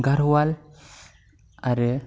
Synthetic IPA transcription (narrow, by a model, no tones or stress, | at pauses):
ɡaɾwal | aɾe